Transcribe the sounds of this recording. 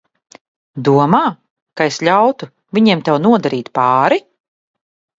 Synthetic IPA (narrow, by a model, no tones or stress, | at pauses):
d̪uɔmaː | kaeslʲawt̪u | vʲiɲiɛmt̪ɛwnuɔd̪aɾiːt̪paːɾi